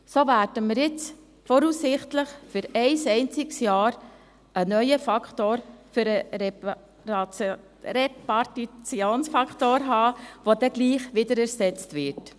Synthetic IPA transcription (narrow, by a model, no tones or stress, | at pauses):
sovæːɾdəməɾjɪt͡s | fɔɾuːsːɪχtləχfʏɾɛɪsɛɪnt͡sɪksjɑːɾ | ʔənœʏəfɑkχtoːɾfyɾə | ɾɛpɑɾtit͡sjoːnsfɑkχtoːɾɦɑːʋod̪ɛɡ̥liːχʋɪd̪əɾæɾsɛt͡stʋɪɾt